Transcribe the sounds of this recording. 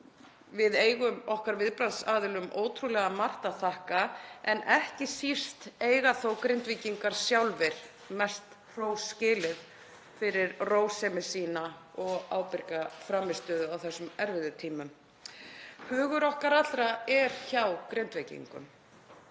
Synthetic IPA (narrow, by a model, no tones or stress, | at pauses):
vɪðeːjɣʏmɔhkaɾvɪðpɾansaːðɪlʏmʔoːwt̪ʰɾulɛːɣamar̥t̪aθahkaɛnɛhcɪsir̥t̪eːjɣaθowkɾent̪viciŋkaɾ̥sjawlvɪɾ̥ | mɛst̪ | r̥oːwscɪːlɪð | fɪɾɪɾroːwsɛmɪsiːnaɔɣaːwpɪɾkafɾaːmːɪst̪œːðʏawθɛsːʏmɛɾvɪðʏt̪ʰiːmʏm | hʏːɣʏɾɔhkaɾat̪ːɾaɛɾ̥çawkɾejnt̪vejcḭŋkʏ̰m